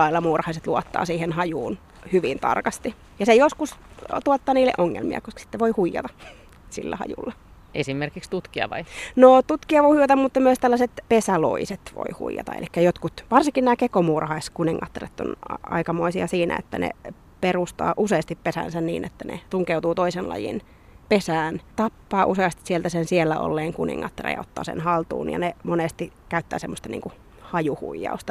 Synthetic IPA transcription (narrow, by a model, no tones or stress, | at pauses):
ɑilːɑmuːrhɑiset̪luɔt̪ːɑ̰ːsiːhenhɑjuːn | hyʋint̪ɑ̰rkɑst̪i | jɑsejoskust̪uɑt̪ːɑːniːlːḛʔoŋːḛlmiɑ̰koskɑ̥si̥t̪ːeʋoihuijːɑ̰t̪ɑ̥ | sḭlːæ̰hɑ̰jṵlːɑ | esimerkikst̪ut̪kiɑ̰ʋɑ̰inoːt̪ut̪kiɑʋoihuijɑt̪ɑmmut̪ːɑmyøst̪ælːɑset̪pesælo̰iset̪ʋo̰ihṵijɑ̰t̪ɑ̰ḛlikːæjot̪kut̪ʋɑrsiŋkinnæːkekomuːrɑhɑiskuniŋːɑt̪ːɑret̪ːo̰nɑɑ̰ikɑmoisiɑsiːnæ̰ḛt̪ːænḛ | perust̪ɑ̰ːʔuseːst̪ippesæ̰nsænnḭːnʔḛt̪ːænḛt̪uŋkeut̪uːt̪oisenlɑ̰jḭn | pesæːnt̪ɑpːɑːʔuseɑst̪isielt̪æsensielːæʔo̰lːeːŋkunḭŋːɑt̪ːɑrḛjɑ̰ot̪ːɑ̰ːsḛnhɑlt̪ṵːnjɑ̰nemonest̪ikæyt̪ːæ̰ːsemːost̪ɑnḭːŋku | hɑjuhṵijːɑ̰ust̪ɑ